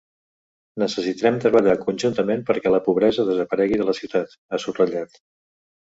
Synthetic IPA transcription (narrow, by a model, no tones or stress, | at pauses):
nəsəsit̪ɾɛmt̪ɾəβəʎakunʲʒunt̪əmenpəɾkɛləpuβ̞ɾɛzəðəzəpəɾɛɣiðələsiwt̪at̪ | asurəʎat̪